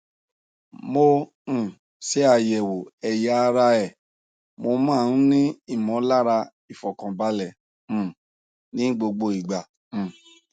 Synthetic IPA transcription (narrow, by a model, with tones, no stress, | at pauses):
mõ˧˦˨ | sɛ˨˦a˧˨jɛ˨wo˨ɛ˨ja˨˦a˧ɾa˧ɛ˨ | mo˧mãː˦˨n̩˦nĩ˦i˦˨mɔ̃˨˦la˦ɾa˧ | i˨fɔ˨kã˨ba˧˦lɛ̃˦˨ | nĩ˨˦ɡ͡bo˧ɡ͡bo˧i˨ɡ͡bã˨